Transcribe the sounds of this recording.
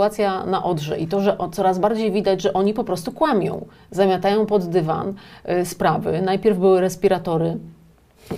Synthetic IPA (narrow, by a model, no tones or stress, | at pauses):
at̪sʲjana̰ʔɔd̪ʐɛ̰ʔit̪ɔʐɛʔt̪sɔɾazbaɾd͡ʑejvʲid̪ad͡ʑʐɛʔɔɲipɔpɾɔst̪ukwamʲjɔ̰̃w̃ | zamʲjat̪ajɔ̃w̃pɔd̪ːɘva̰nspɾavɘ̰najpʲjɛɾvbɘwɘɾɛspʲiɾat̪ɔɾɘ